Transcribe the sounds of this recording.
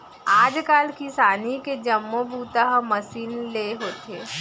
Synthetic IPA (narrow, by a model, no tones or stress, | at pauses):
aːd͡ʒkaːlkisaːniked͡ʒɐmːobʱuːt̪aɦmɐsiːnleɦoːt̪eː